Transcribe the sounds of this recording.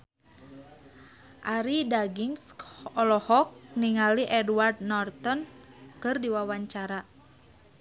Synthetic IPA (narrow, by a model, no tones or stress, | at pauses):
ʔaɾidaɡiŋsɔlɔhɔk̚niŋaliʔɛduward̪̚nɔrt̪ɔnkɨrdiwawaɲt͡ʃaɾa